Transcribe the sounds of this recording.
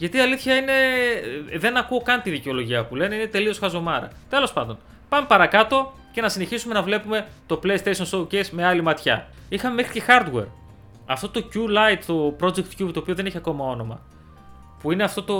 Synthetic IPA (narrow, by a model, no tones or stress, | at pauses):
ʝɐt̪iɐliθçɐine̞ | ðe̞nɐkuo̞kɐnt̪iðiceo̞lo̞ʝiɐpule̞neinet̪e̞liosxɐzo̞mɐɾɐ̰t̪e̞lo̞spɐnd̪o̞n | pɐmepɐɾɐkɐt̪o̞ | ce̞nɐsineçisume̞nɐvle̞pume̞ | t̪o̞ple̞jst̪eʃo̞nsowcesme̞ɐlimɐt̪çɐ̰ | ixɐme̞me̞xɾice̞xɐɾd̪we̞̰ɾ | ɐft̪ot̪o̞culɐjt̪t̪o̞pɾo̞d͡zek̚t̪cubt̪oːpio̞ðe̞neçiɐko̞mɐo̞no̞mɐ̰ | puineɐft̪o̞t̪o̞